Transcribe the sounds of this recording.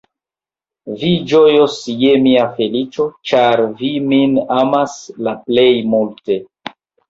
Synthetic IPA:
vid͡ʒojosje̞miafe̞lit͡ʃo̞t͡ʃaɾviminamaslaple̞jmulte̞

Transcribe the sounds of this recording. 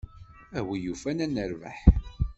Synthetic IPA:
æwijufænænəɾva̰ħ

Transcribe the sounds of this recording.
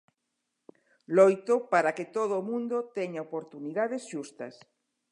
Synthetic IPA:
lojt̪opaɾaket̪oðoːmũnd̪ot̪eɲaopoɾt̪uniðaðesʃust̪ɐs

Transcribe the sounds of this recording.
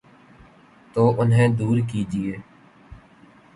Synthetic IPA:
t̪oːʔʊnɦẽːd̪uːɾkiːd͡ʒɪeː

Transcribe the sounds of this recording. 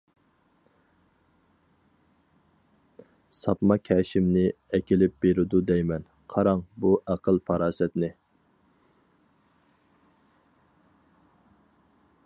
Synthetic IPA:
sɑpmɑkʲʰɛʃɪmnɪ | ɛkʲilɪp̚b̥eɾɪd̪ud̪ɛjmɛn | qʰɑɾɑŋbuʔæqəlˠpʰɑɾɑːsɛt̪nɪ

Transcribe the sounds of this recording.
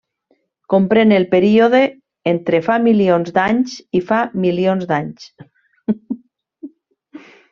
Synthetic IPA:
kompɾenelpeɾioðe | ent̪ɾefamilionzd̪aɲsifamilionzd̪aɲs

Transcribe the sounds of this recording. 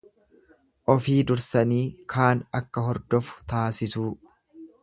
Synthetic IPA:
ʔɔfiːd̪ʊɾsɐniːkʰaːnɐkːɐɦɔɾd̪ɔfʊ̥t̪aːsɪsuː

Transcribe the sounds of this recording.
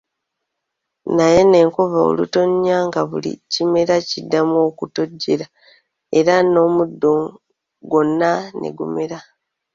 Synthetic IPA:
naje̞ne̞ːŋkovao̰luto̞ɲːaŋɡaβulḭcime̞ɾacidːamo̞kuto̞ɟːe̞ɾa | e̞ɾano̞ːmudːo̞ | ɡo̞nːanḛɡṵme̞ɾa

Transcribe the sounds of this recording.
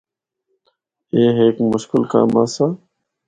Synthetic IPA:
eːɦeːkmʊʃkɪlka̰ːmaːsaː

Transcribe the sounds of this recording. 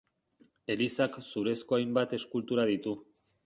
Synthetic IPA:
e̞lisaksuɾe̞sko̞ajmbat̪e̞skult̪uɾað̞it̪u

